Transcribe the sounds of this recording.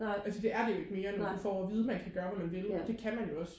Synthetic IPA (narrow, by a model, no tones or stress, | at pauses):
ælsəd̥e̝æɐd̥e̝jo̝e̝ɡ̥me̝ːɐnofɒɒʋiːð̞ˠəmænkʰæɡ̥ɶːɐʋæmænʋe̝lɒd̥e̝kʰæmænjo̝ɒ̽s